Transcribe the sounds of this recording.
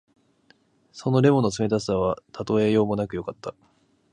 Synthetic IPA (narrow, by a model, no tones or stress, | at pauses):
so̞no̞ɾe̞mo̞no̞t͡sɨme̞t̪asɨ̥aβat̪ʰat̪o̞e̞jo̞ːmo̞nakɯjo̞kat̪ːa